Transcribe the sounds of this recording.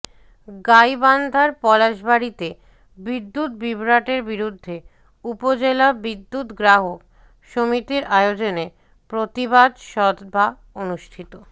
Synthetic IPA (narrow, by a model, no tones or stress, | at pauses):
ɡajband̪ʱaɾpɔlaʃbaɾit̪e | bid̪ːut̪̚bibɾaʈeɾbiɾud̪ʱːe | upod͡ʑelabid̪ːut̪ɡɾaɦok | ʃomit̪iɾʔaeod͡ʑone | pɾot̪ibad̪ʃɔd̪ba | onuʃʈʰit̪o